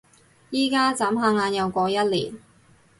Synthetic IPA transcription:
jiː˨˧kaː˥t͡saː˨˥mɦaː˧ŋaː˧njɐ˨˧wkʷɔː˧jɐ˥t̚lḭː˨˩n

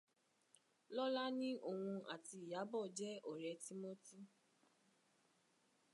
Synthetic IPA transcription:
lɔ˦la˦nĩ˦ʔo˦˨wũ˧ʔa˨ti˧˦i˨ja˨˦bɔ˦˨d͡ʒɛ˦ɔ˨ɾɛ˧ti˦mo˦ti˦

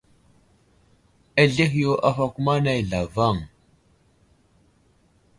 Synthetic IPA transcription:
a˦ɮe˦xjo˦ʔa˦fa˦ku˦ma˦na˦jɮa˨va˦˨ŋ

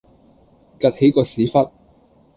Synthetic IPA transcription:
ka˧k̚he˨˥jkɔː˧siː˨˥fɐ˥t̚

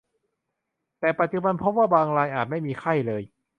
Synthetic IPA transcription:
t̪ɛː˨˩pa˨˩t̪̚t͡ɕu˨˧ba˧npʰo˦˥p̚waː˥˩baː˧ŋɾaː˧jʔaː˨˩t̪̚ma˥˩jmiː˧kʰa˥˩jlɤː˧j

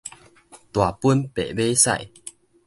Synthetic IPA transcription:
t̪wa˨˩pu˦npḛ˨˩be˦sa̰˧˨j

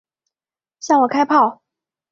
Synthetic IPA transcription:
ɕjɑ˥˩ŋwɔ˨˩kʰa˥ɪpʰɑ˥˩ʊ

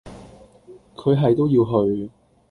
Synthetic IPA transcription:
kʰɵ˨˧ɥɦɐ˨jt̪o˥wjiː˧wɦɵ˧ɥ

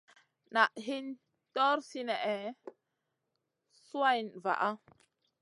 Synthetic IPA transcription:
na˨ʔɦi˦n | tɔ˦ɾsi˦nɛ˨ʔɛ˨ | su˦a˦ji˨nva̰˨ʔa˦

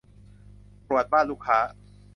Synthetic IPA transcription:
pɾu˨˩ət̪̚baː˥˩nluː˦˥˩kʰːaː˦˥

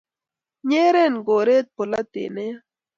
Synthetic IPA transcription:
ɲeː˦ɾe˦nɡoː˨ɾeː˦t̪̚po˨la˦t̪ḛː˨ne˦ja˦

